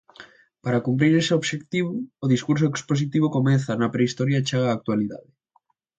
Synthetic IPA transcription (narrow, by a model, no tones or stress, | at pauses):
paɾakumpɾiɾeseoβʃekt̪iβʊːðiskuɾsoekspos̬it̪iβ̞okomɛθɐnɐpɾeist̪ɔɾjat͡ʃeɣaːk̚t̪waliða̰ðɪ